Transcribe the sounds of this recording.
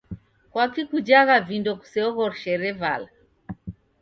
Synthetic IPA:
kwakikud͡ʒaɣavindɔku̥sɛɔɣɔɾʃɛɾɛva̰la

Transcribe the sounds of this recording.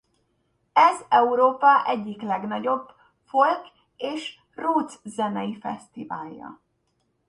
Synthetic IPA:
ɛzɛuɾoːpɒʔɛɟːiklɛɡnɒɟo̞b̥ | folk | eːʃ | ruːt̪szɛnɛjifɛ̰st̪iva̰ːlːɒ̰

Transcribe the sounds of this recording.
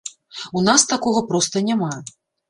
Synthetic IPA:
unast̪akɔɣɐpɾɔst̪ɐnʲama

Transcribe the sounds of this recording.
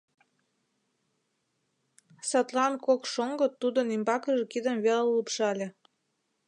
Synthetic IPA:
sɑt̪lɑnkokʃoŋɡot̪ud̪ə̆nimbɑkəʒekid̪əmβeləlːupʃɑlʲĕ

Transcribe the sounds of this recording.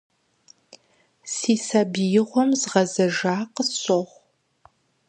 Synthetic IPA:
siːsaːbijɪʁʷɔmzʁɐzɐʒaːqəɕʼoʁʷ

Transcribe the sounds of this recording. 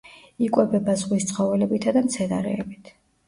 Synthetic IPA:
ikʼwɛbɛbazʁwist̪sʰʼχɔvɛlɛbit̪ʰad̪amt̪sʰɛna̰ɾɛ̰ːbit̪ʰ

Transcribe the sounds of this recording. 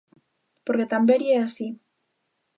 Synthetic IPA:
poɾket̪ambeɾiɛasi

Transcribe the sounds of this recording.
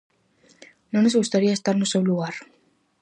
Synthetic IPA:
nonezɣust̪aɾiaest̪aɾnosewluɣaɾ

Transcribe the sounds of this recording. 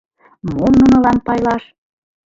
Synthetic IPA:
monːunɤ̆lɑnpɑjlɑʃ

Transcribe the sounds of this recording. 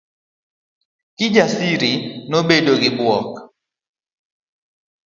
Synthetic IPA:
kɪd͡ʒasiɾinobedoɡɪbwɔk

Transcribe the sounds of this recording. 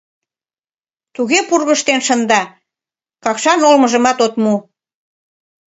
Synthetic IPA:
t̪uɣepurɣəʃt̪enʃənd̪ɑ | kɑkʃɑnolməʒə̆mɑt̪ot̪mu

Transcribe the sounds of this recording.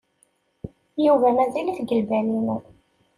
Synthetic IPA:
juvæmæðæliθɡəlbælin

